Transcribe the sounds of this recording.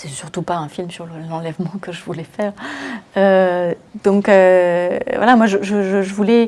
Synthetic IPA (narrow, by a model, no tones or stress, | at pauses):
sɛsyʁt̪upaɛ̃filmsyʁləlɑ̃lɛvmɑ̃kəʒəvulɛfɛːʁø | d̪̥ɔ̃kø | vwa̰lamwaʒəʒəʒəʒəvulɛ